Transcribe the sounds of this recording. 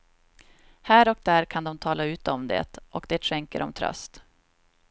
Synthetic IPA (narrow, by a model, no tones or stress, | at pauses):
hæːɾɔk̚d̪æːɾkʰand̪ɔmt̪ʰɑːlaʉ̟ːt̪əɔmd̪ḛːt̪ʔɔkd̪eːt̪ʂɛŋkə̰ɾɔ̰mt̪ʰɾœ̰st̪